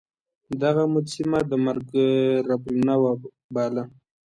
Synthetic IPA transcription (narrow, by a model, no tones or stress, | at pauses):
d̪aɣamʊsimad̪əmaɾɡɾablinawa | bɑla